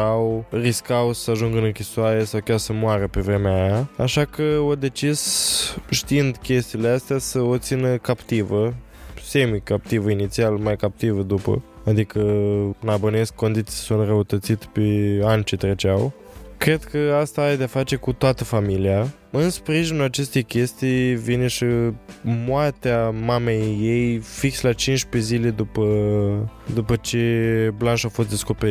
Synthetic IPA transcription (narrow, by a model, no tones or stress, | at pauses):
awriskawsəaʒuŋɡɨnɨŋkʲisoaɾesawkʲarsəmoaɾəpe̞vɾe̞meajaa̰ʃakəod̪e̞t͡ʃizʃt̪iind̪kʲe̞st̪iːleast̪easəo̞t̪sinəkapt̪ivə | se̞mikap̚t̪ivəinit̪sialmajkap̚t̪ivəd̪upə̰ | ad̪ikənabone̞skkːo̞nd̪it̪sisunt̪rəut̪ət̪sit̪peanʲt͡ʃe̞t̪ɾe̞t͡ʃaw | kɾe̞d̪kʰəast̪aaed̪eafat͡ʃe̞kut̪oat̪əfamilia | ɨnspɾiʒinulat͡ʃe̞st̪e̞jkʲe̞st̪ijvine̞ʃi | moat̪eamame̞jːe̞jfikslat͡ʃint͡ʃpe̞zile̞d̪upə | d̪upət͡ʃe̞blanʃafo̞st̪d̪e̞sko̞peɾit